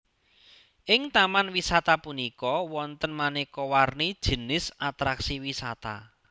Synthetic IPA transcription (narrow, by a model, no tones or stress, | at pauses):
ʔɪŋt̪amanwisat̪apunikɔwɔnt̪ənmanikɔwarnid̥ʒ̥ə̤nɪsʔat̪ɾaksiwisat̪a̰